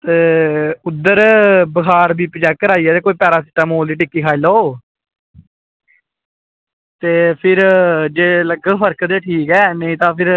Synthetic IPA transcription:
t̪eːʊd̪ːəɾbəkʰaːɾbiːpəd͡ʒɛːkːəɾaːiːɛːt̪eːkoːiːpɛːɾaːsɪʈːəmoːld̪iːʈɪkːiːkʰaːiloː | t̪eːpʰɪɾd͡ʒeːləɡəpʰəɾkd̪eːʈʰiːkɛːnəĩːt̪ãːpʰɪɾ

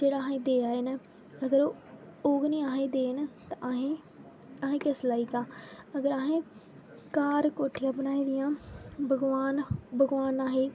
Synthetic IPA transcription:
d͡ʒeːɽaːɦẽːd̪eːaːeːnɛ | əɡəɾoː | oːɡnĩːaːɦẽːd̪eːnt̪aɦe | aɦẽːkɪslaːiːkãːəɡəɾaːɦẽː | kaːɾkoːʈʰiaːpnaːĩːd̪ɪjãːbəɡʋaːnbəɡʋaːnaːɦeː

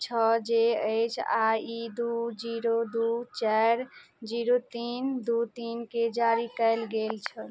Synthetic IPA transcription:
t͡ʃʰəd͡ʒeəjt͡ʃʰaid̪ud͡ʒiɾod̪ut͡ʃəɾ | d͡ʒiɾot̪ind̪ut̪inked͡ʒaɾikəɪlɡelt͡ʃʰəl

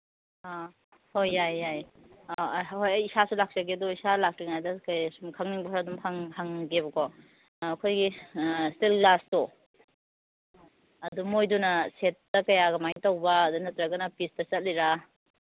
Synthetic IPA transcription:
a | hojajaj | hojɐjisasulak̚t͡ʃɐɡedɔisalak̚tiŋajdɐkajsumkʰaŋniŋbɐsɐdumhaŋhaŋɡebɐkɔː | kʰojɡistilɡlastɔ | ɐdumojdunɐset̚ːɐkɐjaɡɐmajŋtawbɐːdunɐtɾɐɡɐnɐpistɐsɐt̚liɾa

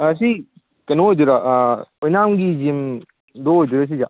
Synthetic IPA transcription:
ɐs̬i | kɐnoɦojduɾaʔojnamɡizim | doɦojduɾas̬iza

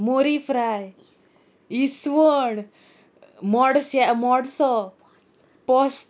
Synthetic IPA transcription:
moɾifɾaj | isʋəɳ | mɔɽsjamɔɽsɔ | pɔs

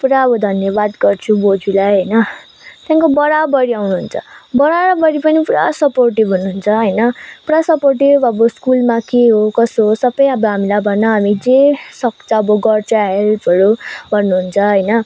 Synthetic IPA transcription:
puɾaʌbʌd̪ʱʌnjʌbad̪ɡʌrt͡sʰubod͡zulajɦʌjnʌ | t̪jãkobʌɾabʌɾiawnuɦunt͡sʰʌbʌɾaɾʌbʌɾipʌnipuɾasʌporʈibɦunːuɦunt͡sʰʌɦʌjnʌpuɾasʌporʈibbʌbʌskulmakeɦokʌsɦosʌbʌjʌbʌɦamilajbʱʌnʌɦamid͡zesʌk̚t͡sʰʌ̃ːbʌɡʌrt͡sʰaɦelpʰʌɾubʱʌnːuɦunt͡sʰʌɦʌjnʌ

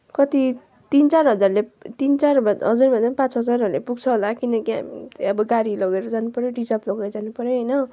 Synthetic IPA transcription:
kʌt̪i | t̪int͡sarɦʌd͡zarlet̪int͡sarbɦʌd͡zurmanampãt͡sɦʌd͡zarʌɾlepuɡt͡sʰʌɦolakinʌkia̰miʌbʌɡaɽilʌɡeɾʌd͡zanupʌɾjoɖid͡zaplʌɡajd͡zanupʌɾjoɦʌjnʌ

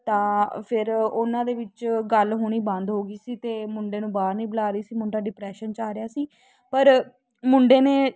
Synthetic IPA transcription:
t̪ãːpʰɪɾʊnãːd̪eːʋɪt͡ʃɡəlɦoːɳ̃iːbə̃nd̪ɦoːɡiːsiːt̪eːmʊɳɖeːnũːbaːɾnĩːbəlaːɾəiːsiːmʊɳɖaːɖɪpɾɛːʃənt͡ʃaːɾɪjaːsiː | pəɾ | mʊɳɖeːneː

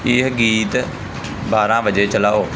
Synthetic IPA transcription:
eːɦɡiːt̪ | baːɾãːbəd͡ʒeːt͡ʃəlaːɦoː

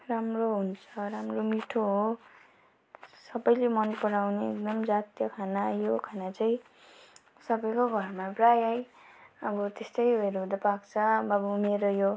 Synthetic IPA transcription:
ramroɦunt͡sʰʌɾamromiʈʰoɦo | sʌbʌjlemʌnpʌɽawneek̚d̪ʌmd͡zat̪jʌkʰanajokʰanat͡saĩ | sʌbʌjkoɡʱʌrmabrajajʌbʌt̪est̪ʌjoeɾɦud̪ʌpakt͡sʰʌbʌbumeɾojo

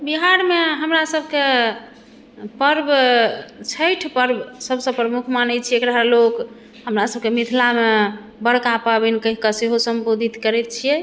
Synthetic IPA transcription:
biɦaɾmeɦəmɾasəbke | pəɾb | t͡ʃʰəjʈʰpəɾbsəbʱsə̃pɾəmukʰmanət͡ʃʰiekɾaɦəɾlok | ɦəmɾasəb̚kemit̪ʰilame | bəɽkapabɛnikəɦikəseɦosəmbod̪ʱit̪kəɾɛt̪̚t͡ʃʰijɛ

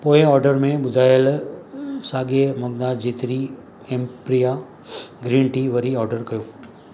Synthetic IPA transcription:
poːẽɔːɾɖəɾmẽbʊd̪ʱaːjəl | saːɡeməɡd̪aːɾd͡ʒiːt̪ɾi | ẽmpɾija | ɡɾiɳʈiʋəɾiɔːɾɖəɾkɐjoː

